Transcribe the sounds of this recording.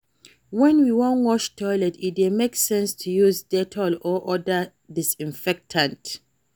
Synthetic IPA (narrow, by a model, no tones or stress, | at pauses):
wɛ̃nwiwɔ̃nwɔʃtʰɔɪlɛtidemeksɛ̃nstʰujuzdɛtʰɔlɔʔɔdə | disĩɱfɛk̚tʰãnt